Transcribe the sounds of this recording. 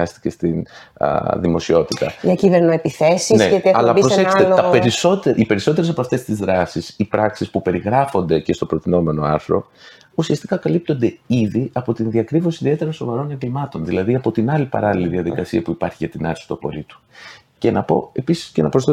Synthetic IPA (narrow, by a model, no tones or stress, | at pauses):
ɐst̪i̥ce̞st̪in̰ | ðimo̞sio̞t̪it̪ɐ̰ʝɐciveɾnoepiθesisneeɐllɐpɾoseçselɐpeɾiso̞t̪eʔipe̞ɾiso̞t̪e̞ɾes̬ɐpoɐft̪e̞st̪izðɾɐsisipɾɐksispupe̞ɾiɣɾɐfo̞nd̪e̞ce̞st̪o̞pɾo̞t̪ino̞me̞no̞ɐ̰ɾθɾo̞ | usiɐst̪ikɐkɐlip̚t̪o̞nd̪e̞iðiɐpo̞t̪inðiɐkɾivosiðie̞t̪eɾɐso̞vɐɾo̞neɡlimɐt̪o̞nðilɐðiɐpo̞t̪inɐlipɐ̰ɾɐliliðiɐðikɐsiɐpuipɐɾçiʝɐt̪inɐɾsi̥t̪ɐpo̞̰lit̪u̥ | ce̞nɐpo̞̰e̞pisi̥sce̞nɐpɾosθe